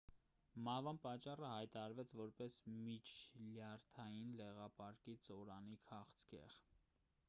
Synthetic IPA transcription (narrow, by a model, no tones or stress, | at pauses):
mɑhvɑnpɑt͡ʃːɑrəhɑjt̪ɑɑɾvɛt͡sʰvɔɾpɛsmit͡ʃʰljɑɾt̪ʰɑjinlɛʁɑpɑɾkit͡sɔɾɑnikʰɑχt͡sʰkɛ̰ʁ